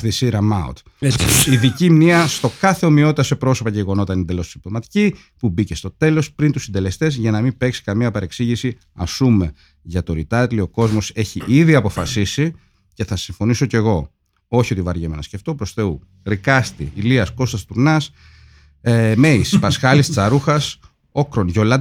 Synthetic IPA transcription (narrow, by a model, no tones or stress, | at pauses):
θisiɾɐmɐṵt̪ | iðicimniɐst̪o̞kɐθe̞o̞mio̞t̪it̪ɐse̞pɾo̞so̞pɐceʝeɣo̞no̞t̪ɐinind̪elo̞ssibt̪omɐt̪i̥ci | pubice̞st̪o̞t̪e̞lo̞spɾint̪usind̪e̞le̞st̪e̞zʝɐnɐmipe̞ksi̥kɐmiɐpɐɾe̞ksiʝisi | ɐ̰sume̞ | ʝɐt̪o̞ɾit̪ɐt̪ilio̞ko̞zmo̞se̞çiʔiðiɐpo̞fɐsisi | ce̞θɐsiɱfo̞niso̞ce̞ɣo̞ | o̞çio̞t̪ivɐɾʝemenɐsce̞ft̪o̞pɾo̞sθe̞u | ɾikɐst̪iːliɐsko̞st̪ɐst̪uɾnɐs | me̞ispɐsxɐlist͡sɐɾuxɐs | o̞kɾo̞nʝo̞lɐ